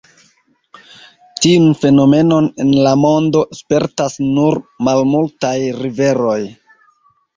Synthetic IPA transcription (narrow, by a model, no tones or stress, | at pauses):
tiunfe̞no̞me̞no̞ne̞nlamo̞ndo̞spe̞ɾtasnuɾmalmultajɾive̞ɾo̞j